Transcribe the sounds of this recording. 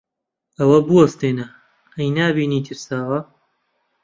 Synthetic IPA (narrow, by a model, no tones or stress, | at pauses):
ɐwɐbuwɐst̪eːnɐ | ɐjnaːbiːniːt̪ʰɨɾsaːwɐ